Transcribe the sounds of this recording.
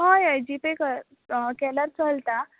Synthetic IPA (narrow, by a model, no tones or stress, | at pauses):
ɦãjajd͡ʑipekə | kɛləɾt͡səlt̪a